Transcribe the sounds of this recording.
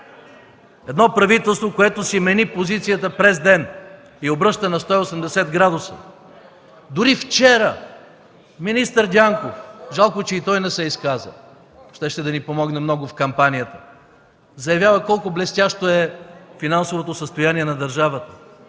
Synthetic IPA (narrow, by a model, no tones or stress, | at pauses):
ɛd̪nɔpɾɐvit̪ɛlˠst̪vokoɛt̪ʊsimɛnipozit̪sijət̪əpɾɛzd̪ɛn | iobɾɤʃt̪ənɐst̪ɔiosɛmd̪ɛsɛt̪ɡɾad̪ʊsə̰ | d̪ʊɾift͡ʃɛɾə | minist̪əɾd̪ʲaŋkofʒalˠkot͡ʃɛit̪ɔjnɛsɛiskazə̰ | ʃt̪ɛʃt̪ɛd̪ɐnipomɔɡnɛmnɔɡʊfkɐmpanʲijət̪ə | zɐjɐvʲjavəkɔlˠkʊblɛst̪ʲaʃt̪oɛfinansovot̪osəst̪ojaniɛnɐd̪ɐɾʒavət̪ə̥